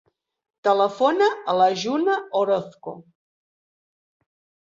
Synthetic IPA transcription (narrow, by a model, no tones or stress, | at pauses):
t̪ələfonəələʒunəoɾoθko